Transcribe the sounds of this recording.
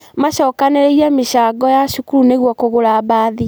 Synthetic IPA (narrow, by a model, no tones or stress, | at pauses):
maʃɔːkaneɾeiameʃaɡɔjaʃukuɾuneɣwɔkoɣoɾaβaði